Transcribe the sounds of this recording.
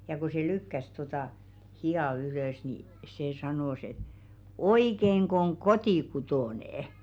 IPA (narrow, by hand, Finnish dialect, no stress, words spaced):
jɑ ko se lykːæs totɑˑ hiɑˑ yløˑs niˑ se sɑnoˑs et oikeŋk oŋ kotikutoˑneˑĕ